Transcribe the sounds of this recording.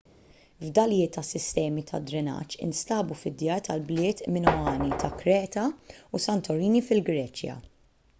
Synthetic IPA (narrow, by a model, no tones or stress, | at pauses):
vd̪ɐljɪːt̪ːɐsːɪst̪ɛːmit̪ʰɐ̰d̪ɾɪnɐ̰t͡ʃːɪ̰nst̪ɐːbufɪd̪jɐːɾt̪ʰɐlblɪːt̪mɪnɔɐːnit̪ʰɐkɾɛːt̪ɐusɐnt̪ɔɾiːnifɪlɡɾɛːt͡ʃjɐ̰